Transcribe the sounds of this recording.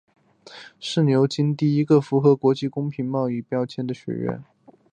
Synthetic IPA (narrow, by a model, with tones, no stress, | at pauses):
ʂɻ̩˥˩njo˧˥ʊt͡ɕi˥nt̪i˥˩i˥ɡə˧fu˧˥xɤ˧˥kwɔ˧˥t͡ɕi˥˩kʊ˥ŋpʰi˧˥ŋmɑ˥˧ʊi˥˩pjɑ˥ʊt͡ɕʰjɛ˥˩nd̪ə˨ɕɥɛ̰˧˥ɥɛ̰˥˩n